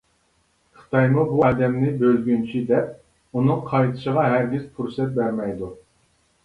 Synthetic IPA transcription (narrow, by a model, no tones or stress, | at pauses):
χɨ̥t̪ʰɑjmubuɑːd̪ɛmnɪbølɡʲynt͡ʃʰid̪ɛp̚ | unɨŋqʰɑjt̪ʰɨ̥ʃəʁɑɦæɾɡʲiz̥pʰuɾsɛt̪̚bæɾmɛjd̪u